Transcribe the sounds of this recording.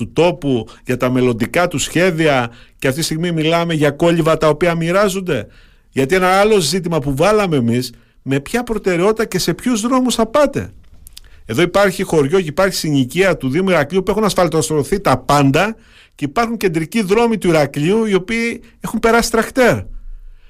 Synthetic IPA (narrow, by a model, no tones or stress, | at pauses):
ut̪o̞puʝɐt̪ɐme̞lo̞nd̪ikɐt̪usçe̞ðiɐceɐft̪itist̪iɣmimilɐme̞ʝɐko̞ʎivɐt̪ɐo̞piɐmiɾɐzond̪e̞ | ʝɐt̪ie̞nɐɐlo̞zit̪̬imɐpuvɐlɐme̞ːmis | me̞pçɐpɾo̞t̪e̞ɾeo̞t̪it̪ɐce̞se̞pçuzðɾo̞musθɐpɐt̪e̞̰ | e̞ðo̞ipɐɾçixo̞ɾʝo̞ceipɐɾçi̥siniciɐt̪uðimuiɾɐkʎiupue̞xunɐsfɐlt̪ost̪ɾoθit̪ɐpɐnd̪ɐ | ceipɐɾxuɲce̞nd̪ɾiciðɾo̞mit̪uiɾɐkʎiuio̞piː | e̞xumpe̞ɾɐsi̥t̪ɾɐxt̪e̞ɾ